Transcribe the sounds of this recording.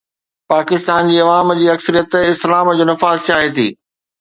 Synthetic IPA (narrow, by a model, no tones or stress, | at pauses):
paːkɪst̪aːnd͡ʑiːɐʋaːmd͡ʑiːɐksəɾijət̪ɪslaːmd͡ʑoːnɐfaːzt͡ɕaːɦet̪ʰḭː